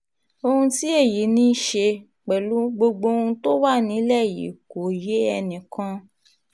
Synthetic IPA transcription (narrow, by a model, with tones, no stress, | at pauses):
o˧hũ˧ti˦e˦˨ji˨˦nĩː˦ʃe˧ | k͡pɛ˨lu˨˦ɡ͡bo˧ɡ͡bo˧ũ˧to˦wa˦˨nĩ˨˦lɛ˦˨jḭ˨˦ko˨je˨˦ɛ˧nĩ˨kã˧˦